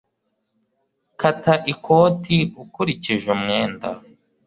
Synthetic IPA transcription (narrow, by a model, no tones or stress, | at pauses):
kataʔikʰo̞ːtiukuɾiciʒemŋeːnda̰